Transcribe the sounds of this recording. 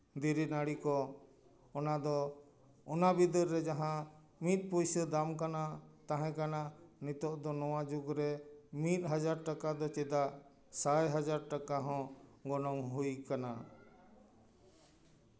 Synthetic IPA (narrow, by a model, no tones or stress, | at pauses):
d̪iɾinaɽikɔ | ɔnad̪ɔ | ɔnabid̪əɾːɛd͡ʒaɦã | mit̪̚ˀpojsəd̪amkanat̪aɦɛ̃kananit̪ɔʔd̪ɔnɔwad͡ʒuɡɾɛmit̪̚ˀɦad͡ʒaɾʈakad̪ɔt͡ʃɛd̪aʔ | sajɦad͡ʒaɾʈakaɦɔ̃ɡɔnɔmɦujkana